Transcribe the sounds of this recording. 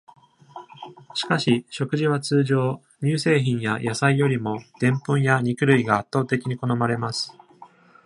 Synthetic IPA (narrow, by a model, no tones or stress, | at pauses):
ɕi̥kaɕiɕo̞kɯ̟ʑiβ̞at͡sɨːʑo̞ː | ɲʲɨːse̞ːçĩɰ̃jajʔasaijo̞ɾʲimo̞d̪̥ẽ̞mpɯ̃ɰ̃jaɲ̟ikɯ̟ɾɯ̟iɡaːt̪ːo̞ːt̪e̞kʲiɲ̟iko̞no̞maɾe̞masɨ̥